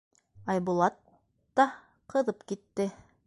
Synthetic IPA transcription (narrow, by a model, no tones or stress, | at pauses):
ɑjbulˠɑt̪ː | ɑ | qʰɤ̆ðɤpkit̪ːɘ